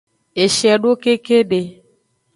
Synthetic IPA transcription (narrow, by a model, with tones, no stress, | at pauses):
e˨ʃɛ˨ɖo˦ke˦ke˦ɖe˨